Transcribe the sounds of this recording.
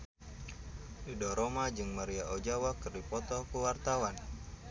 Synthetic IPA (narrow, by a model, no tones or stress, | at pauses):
didɔɾomad͡ʒɨŋmaɾiaʔod͡ʒawakɨrdipɔt̪ɔkuwart̪awan